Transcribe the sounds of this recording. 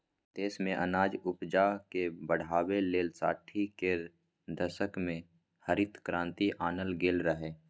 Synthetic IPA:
t̪eːsmẽʔənaːd͡ʒʊpd͡ʒakebəɽ̤aːweleːlsa̰ːʈʰːike | d̪əʃəkmẽ | həɾɪt̪kɾãːnt̪iʔaːnəlɡeːlɾəɦeː

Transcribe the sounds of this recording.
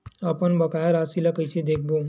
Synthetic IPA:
ɐpənbɐkaːjaɾaːsilakəjsed̪eːk̚ʰbo

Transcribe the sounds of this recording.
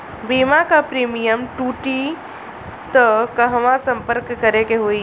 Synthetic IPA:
bimakapɾimijəmʈuʈi | t̪əkəɦʋãsəmpəɾkːəɾekeɦoi

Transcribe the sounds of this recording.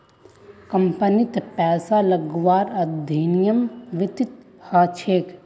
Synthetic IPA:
kɐmpənit̪pɛːsalɐɡʋaːɾɐd̪ʱiːnijəmʋɪt̪ɪt̪ | haːt͡ʃʰeːk

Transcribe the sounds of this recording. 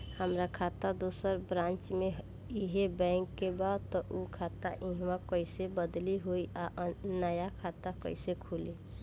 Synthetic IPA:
həmɾakʰat̪ad̪osəɾbɾãnt͡ʃmeɦ | iɦebɛ̃ɪŋkːebad̪tt̪ɔʔukʰat̪aʔĩɦmãkəɪsebəd̪liɦoiʔaʔnːajakʰat̪akə̰ɪsekʰuli

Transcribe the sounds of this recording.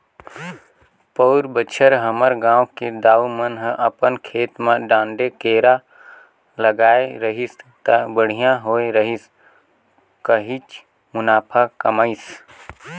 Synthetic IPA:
pəʊɾbət͡ʃʰəɾɦəməɾɡãːwked̪aːumənɦəpənkʰeːt̪mãɖãːɳɖekeːɾa | ləɡaːeɾəɦist̪abəɽ̤ijãɦoːeɾəɦis | kəɦit͡ʃ | mʊnaːpʰakəməɪs

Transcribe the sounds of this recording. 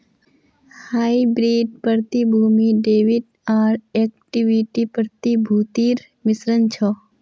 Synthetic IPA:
haːibɾiːɖ̚pəɾt̪ibʱuːmiɖeːʋiɖ | aːɾek̚ʈiʋiʈipəɾt̪ibʱuːt̪iːɾ | mɪsɾənt͡ʃʰɔ

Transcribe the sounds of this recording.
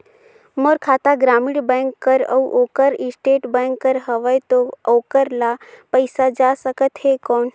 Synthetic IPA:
moɾkʰaːt̪aɡɾaːmiɽbə̃ːŋkːəɾə̰uʔoːkəɾɪsʈeːʈbɛ̃ŋkːəɾɦəʋəjt̪ooːkəɾlapəjsad͡ʒasəkət̪ɦekɔːn

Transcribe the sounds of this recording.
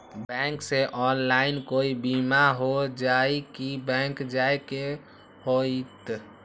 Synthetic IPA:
bɛ̃ŋkseʔɔnlaɪnkoːibimaɦod͡ʒaikibɛ̃ŋkd͡ʒajke | hoit̪

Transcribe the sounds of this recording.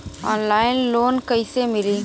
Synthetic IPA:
ɔːnlaːɪnloːnkəɪsemɪliː

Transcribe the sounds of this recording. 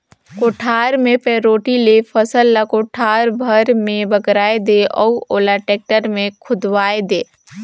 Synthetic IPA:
koːʈʰaːɾmẽpeːɾoːʈilepʰəsəlːakoːʈʰaːɾbʱəɾmẽbəɡɾaːed̪eɔ̰ːoːlaʈeːk̚ʈəɾmẽkʰʊd̪ʋaːed̪eː

